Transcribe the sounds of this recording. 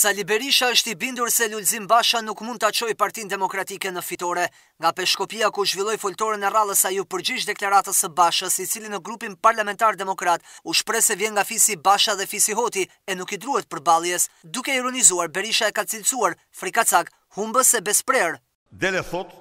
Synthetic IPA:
salibɛɾiʃaəʃt̪ibind̪uɾsɛlulzimbaʃanukmund̪t̪at͡ʃɔjpaɾt̪ind̪ɛmɔkɾat̪ikɛnəfit̪ɔɾɛ | ŋɡapɛʃkɔpiakuʒvilˠɔjfɔlt̪ɔɾənɛralˠəsajupəɾd͡ʑiʃd̪ɛklaɾat̪əsəbaʃəsit͡silinəɡɾupinpaɾlamɛnt̪aɾd̪ɛmɔkɾat̪uʃpɾɛsɛvjɛnŋɡafisibaʃaðɛfisiɦɔt̪i | ɛnukid̪ɾuhɛt̪̚pəɾbalˠjɛsd̪ukɛiɾɔnizuaɾbɛɾiʃaɛkat͡silt͡suaɾ | fɾikat͡saɡ | humbəsɛbɛspɾɛɾ | d̪ɛlɛθɔt̪

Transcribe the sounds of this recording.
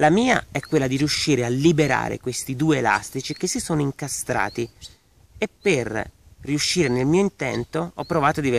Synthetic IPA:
lamiːa̰ɛkːwelːad̪iɾiuʃːiːɾealːibeɾa̰ːɾḛkwest̪id̪uːeela̰st̪it͡ʃik̟esːisoːnoiŋkast̪ɾa̰ːt̪i | epːerriuʃːiːɾenelmiːoint̪ɛnt̪oɔpːɾovaːt̪od̪ive

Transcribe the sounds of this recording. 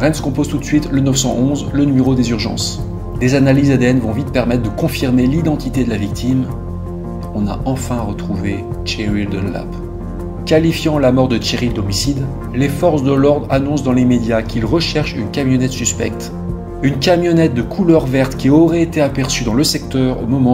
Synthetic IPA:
ʁɛnskɔ̃pozt̪ut̪sɥit̪lənœfsɑ̰̃ʔɔ̃zlənymeʁod̪ezyʁʒɑ̰̃s | d̪ezanalizad̪eɛnvɔ̃vit̪̚pɛʁmɛt̪χd̪əkɔ̃fiʁmelid̪ɑ̃t̪it̪ed̪əlavik̚t̪ʰim | ɔ̃na̰ʔɑ̃fɛ̃ʁət̪χuvet͡ʃeʁild̪ə̰la̰p | kʲalifjɑ̃lamɔʁd̪ət͡ʃeʁild̪ɔmisid̪ | lefɔʁsd̪əlɔʁd̪ʁanɔ̃sd̪ɑ̃lemed̪jakʲʰilʁəʃɛʁʃynkamjɔnɛt̪syspɛ̰k̚t̪ | ynkʲamjɔnɛt̪̚d̪əkʰulœʁvɛʁt̪kʲiɔʁɛet̪eapɛʁsyd̪ɑ̃ləsɛk̚t̪œʁo̰mɔmɑ̃

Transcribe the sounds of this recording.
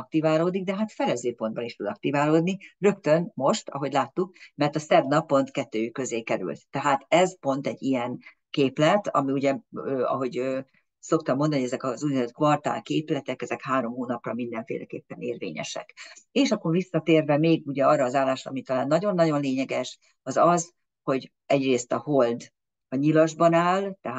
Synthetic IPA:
ɒkt̪ivaːloːd̪iɡ̚d̪ɛɦat̪fɛlɛzøːpo̞nd̪̚bɒniʃt̪ud̪ɒk̚t̪ivaːloːd̪nirø̞kt̪ønmo̞ʃt̪ɒ̰ɦo̞ɟlaːt̪ːuk̚mɛrt̪ɒsɛbnɒpːo̞nt̪kɛt̪ːøːykøzeːkɛɾy̰lt̪ːɛɦaːt̪ɛzpo̞n̪t̪ɛɟːijɛn | keːplɛt̪ɒ̰miuɟɛøːɒ̰ɦo̞ɟøː | so̞k̚t̪ɒmːond̪ɒnijɛzɛkɒzujnzøt̪kvɒrt̪a̰ːlkeːplɛt̪ɛkɛzɛkhaːɾo̞mɦoːnɒprɒ̰mind̪ɛɱfḛːlʔɛ̰kḛːpːɛneːrvḛːɲɛ̰ʃɛ̰keːʃɒkːorvisːɒt̪eːrvɛmeːɡuɟɛɒrːɒːzaːlːaːʃrɒ̰ɒmit̪ɒlaːnːɒɟo̞nːɒɟo̞nleːɲɛɡɛʃ | ɒzɒz | ho̞ɟ | ɛɟreːst̪ɒho̞ld̪ | ɒɲilɒʒbɒnaːlt̪ɛɦa

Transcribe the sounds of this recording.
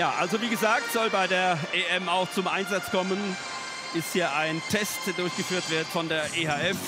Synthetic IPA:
jaːʔalzoviːɡəzaːk̚tz̥ɔlbaɪdeːɐʔeːʔɛmaʊxt͡sʊmʔaɪnzat͡skʰɔmən | ʔɪsthiːɐʔaɪntʰɛst̚d̥dʊɐçɡ̥əfyːɐtv̥ɪɐtfɔndeːɐʔeːhaːɛf

